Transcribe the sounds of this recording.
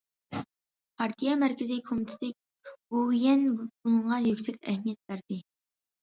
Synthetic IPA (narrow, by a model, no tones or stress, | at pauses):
pʰɑɾt̪ʰijɑmæɾkʲɪzikʰomɪt̪ʰɪd̪ɪk̚ʲ | uwjɛnb̥uŋʁɑjøkʲsɛk̪̚ʲɛhmijɛt̪̚bæɾd̪ɪ